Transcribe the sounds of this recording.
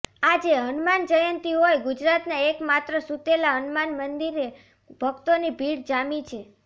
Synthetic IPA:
ad͡ʒeɦənmand͡ʒəjənt̪iɦojɡud͡ʒɾat̪naekmat̪ɾəsut̪elaɦənmanmənd̪iɾe | bʱəkt̪onibʱiɽd͡ʒamit͡ʃʰe

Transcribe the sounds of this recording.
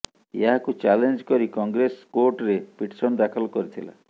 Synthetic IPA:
ḛɦakut͡ʃalend͡ʒkɔɾikɔŋɡɾeskoɾʈɾepiʈsɔnd̪akʰɔlɔkɔɾit̪ʰila̰

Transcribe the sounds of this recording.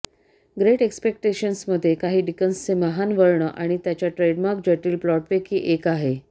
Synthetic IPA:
ɡɾeʈekspek̚ʈeɕənsməd̪ʱːjekaɦiːɖikənst͡semaɦanʋəɾɳəʔaɽ̃it̪jat͡ɕjaʈɾeɖmaɾk̚d͡ʑəʈiːlplɔʈʋekiːʔekaɦe

